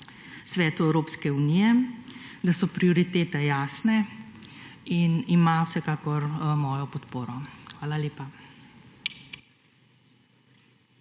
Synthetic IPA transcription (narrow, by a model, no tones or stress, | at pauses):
sʋɛːt̪uɛwɾoːpskɛunijɛ | d̪asɔpɾiɔɾit̪eːt̪ɛjaːsnɛ | inimawsɛkaːkɔɾmɔːjɔpɔt̪poːɾɔxʋaːlaleːpa